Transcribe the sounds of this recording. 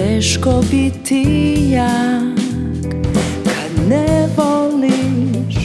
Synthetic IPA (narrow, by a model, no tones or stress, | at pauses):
ɛʃkobit̪ʰija | k | kʰad̪nɛʋoliʃ